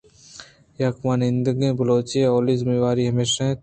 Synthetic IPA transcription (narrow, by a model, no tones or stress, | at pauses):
jakmaːnɪ̃nd̪əɡẽːbɐloːt͡ʃijẽoːliːzmĩʋaːɾiɦɐmeːʃaɦẽː